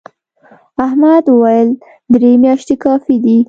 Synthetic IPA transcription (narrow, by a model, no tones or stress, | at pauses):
ahmad̪wəwajəl | d̪ɾemjɑʃt̪ekɑfid̪i